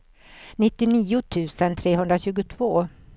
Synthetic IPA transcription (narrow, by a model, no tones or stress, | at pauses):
nɪt̪ːɪniːʊt̪ʰʉ̟ːsənt̪ʰɾeːɦɵnd̪ɾaɕʉ̟ːɡʊt̪ʰv̥oː